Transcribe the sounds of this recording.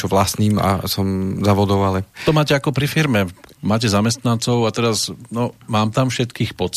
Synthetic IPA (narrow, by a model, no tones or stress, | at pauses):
t͡ʃɔʋlast̪niːma̰sɔmzaʋɔd̪ɔʊalɛt̪ɔmaːcɛakɔpɾifiɾmɛmaːc̬ɛzamɛst̪nant͡sɔʊat̪ɛɾasnɔmaːmt̪amfʃɛt̪kiːxpɔt͡s